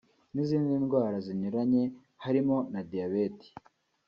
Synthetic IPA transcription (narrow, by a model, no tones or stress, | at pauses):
niziːndinɡwaːɾaziɲuɾaɲe̞ | haɾimo̞nadijaβeti̥